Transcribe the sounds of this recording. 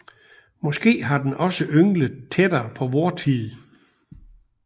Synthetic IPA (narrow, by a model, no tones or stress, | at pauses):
mɒ̽sɡ̥e̝̰ːɦɑ̈d̥enʔɒ̽səʔøŋləð̩ˠt͡sʰed̥ɐpʰɒ̽ʋɒːt͡sʰið̩ˠ